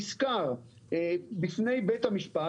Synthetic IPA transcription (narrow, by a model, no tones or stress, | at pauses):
skaʁ | ebifne̞jbet̪hamiʃpa